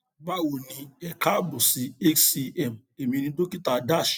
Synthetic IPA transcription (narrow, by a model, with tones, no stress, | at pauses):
ba˦wo˨nĩ˧ɛ˨ka˦bu˨si˨e˦ksi˦ɛ˦˨m̩˨e˨mĩ˧nĩ˦do˦ki˦ta˨da˦˨ʃ